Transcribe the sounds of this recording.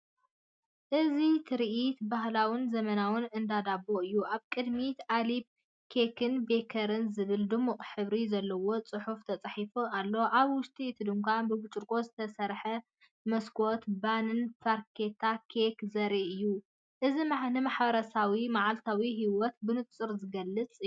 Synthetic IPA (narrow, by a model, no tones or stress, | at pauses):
ʔɨzit̪ʰɨɾʔit̪baɦlawɨnzɐmɐnawɨnɨnd̪ad̪abːoɨjːuʔaβkʼɨd̪mit̪alib̚ | kʰekʰɨnbe̞kʰɐɾɨnzɨβɨld̪ɨmuqʼħɨβɾizɐlːɐwo̞t͡sʼɨħuft̪ʰɐt͡sʼaħifualːo̞ʔaβwʊʃt̪ʼit̪ʰɨd̪ɨmkʷʰabɨbɨt͡ʃʼɨɾkʼo̞zɨt̪ʰɐsɐɾħɐ | mɐskʰʼo̞t̪banɨnfaɾkʰet̪ʰakʰekzɐɾiʔɨjːu | ʔɨzimnɨmaħbɐɾɐsawimaʕalt̪ʰawiɦiwɔt̪bɨnɨt̪ʼt͡sʼɨɾzɨɡɐlːɨt͡sʼɨ